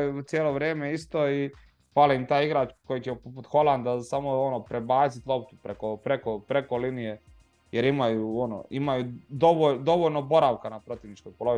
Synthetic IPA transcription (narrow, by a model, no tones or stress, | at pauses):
et̪sjeːlˠo̞ʋɾjeːmeist̪oi | palimt̪aːjiɡɾaːt͡ʃko̞jit͡ɕepoput̪xo̞lˠand̪asamoonopɾebaːt̪sit̪lˠo̞p̚t̪upɾekopɾekopɾekolinije̞ | jeɾimajuono̰imajud̪oʋod̪o̞ʋoʎnobo̞ɾaʋkanapɾo̞t̪iʋnit͡ʃkojpolo̞ʋi